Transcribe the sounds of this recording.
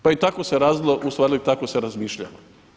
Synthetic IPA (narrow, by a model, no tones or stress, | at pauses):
pait̪akoseɾaːzilˠoʔust̪ʋaːɾlit̪akoseɾazmiːʃʎa̰ʋa